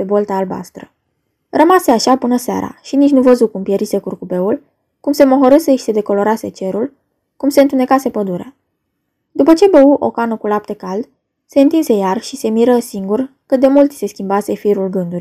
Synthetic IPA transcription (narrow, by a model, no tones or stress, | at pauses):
pebolt̪aːlba̰st̪ɾə | rəmaseaʃapɨnəsea̰ɾa̰ʃinit͡ʃnuvəzukumpjeɾise̞kurkube̞ul | kumse̞moɦoɾɨseʃi̥se̞d̪e̞ko̞lo̞ɾase̞t͡ʃe̞ɾul | kumse̞ɨnt̪une̞kase̞pəd̪uɾea | d̪upət͡ʃe̞beuʔo̞kanəkulap̚t̪e̞kald̪ | se̞ɨnt̪inse̞jarʃise̞miɾəsiŋɡurkɨd̪e̞mult̪ʲse̞skʲimbase̞fiɾulɡɨnd̪urʲ